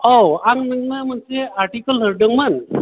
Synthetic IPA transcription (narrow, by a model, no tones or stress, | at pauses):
owaŋnəŋnam̤ənseaɾʈikəlɦəɾɖəŋmən